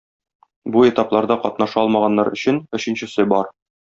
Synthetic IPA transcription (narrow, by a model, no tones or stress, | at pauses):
buet̪ɑplˠɑɾd̪ɑqɒt̪nɑʃɑɒlˠmɑʁɑnːɑɾɵ̆ɕɘnɵ̆ɕɘ̆nɕɘ̆sɘbɒɾ